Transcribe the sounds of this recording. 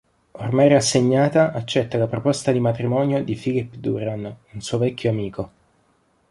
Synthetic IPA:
ormajɾasːeɲːaːt̪aʔat͡ʃːɛt̪ːalapɾopɔst̪ad̪imat̪ɾimɔnjod̪ifilipd̪uɾanunsuːovɛkʲːoamiːko

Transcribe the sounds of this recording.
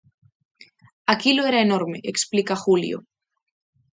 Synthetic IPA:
akiloeɾaenoɾmḛʔeksplikaxuljo̰

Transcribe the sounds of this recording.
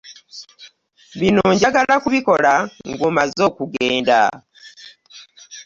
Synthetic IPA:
βinoɲɟaɡalakuβiko̞laŋɡumazo̞ːkuɡe̞ːnda̰

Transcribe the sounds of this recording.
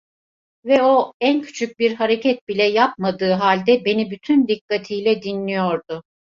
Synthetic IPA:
vɛoæncʰy̥t͡ʃʰyc̚biɾɦaɾe̞cʰɛt̪̚bilʲɛjap̚mad̪ɯːɦalʲd̪ɛbe̞nibyt̪ʰynd̪ikːat̪ʰijlʲɛd̪inlʲijo̞ɾd̪ʊ

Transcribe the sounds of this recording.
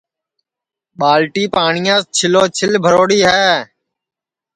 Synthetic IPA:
ɓaːlʈiːpaːɳɪjãːst͡ʃʰɪloːt͡ʃʰɪlbʱəɾoːɽiːɦɛː

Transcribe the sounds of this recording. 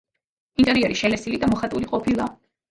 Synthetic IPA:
int̪ʼɛɾiɛɾiʃɛlɛsilid̪amɔχat̪ʼuɾiqʼɔpʰilˠa

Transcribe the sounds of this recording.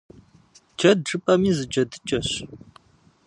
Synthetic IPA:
d͡ʒɐd̚ʈ͡ʂɨpʼɐmiːzɨd͡ʒɐdɨt͡ʃʼɐɕ

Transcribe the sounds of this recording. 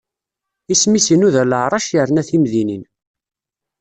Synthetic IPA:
ismisinuðæləʕɾˤɑʃjəɾnæθimðinin

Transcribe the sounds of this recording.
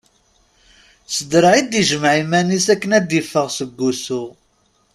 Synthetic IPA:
səd̪ɾʕid̪iʒəmʕimænisækːənæd̪ːifːəʁsəɡːusu

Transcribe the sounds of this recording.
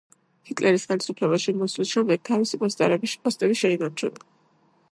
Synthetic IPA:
hit̪ʼlʔɛɾisχɛlisupʰlɛbaʃimɔslisʃɛmlɛk̚t̪ʰavisipʼɔst̪ʼa̰ɾɛbiʃpʼɔst̪ʼɛβiʃɛinaɾt͡ʃʰṵna

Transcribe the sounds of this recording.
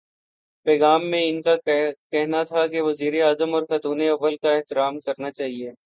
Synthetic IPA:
pɛːɣaːmːẽɪnkakɛɦnat̪ʰakeʋɐziːɾeaːzəmɔːɾxɐt̪uːneɐʋːəlkaɛɦt̪ɪɾaːmkɐɾnat͡ʃaːɦieː

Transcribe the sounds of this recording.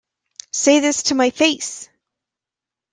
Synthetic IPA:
seɪðɪstʰɨmaɪfeɪs

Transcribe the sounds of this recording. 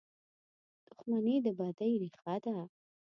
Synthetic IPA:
d̪̥ʊxmaned̪əbɑd̪ajɾixad̪a

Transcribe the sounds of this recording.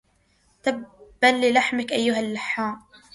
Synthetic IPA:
t̪abbalːɪlaħmɪkʔajːʊɦalːɪħːaːm

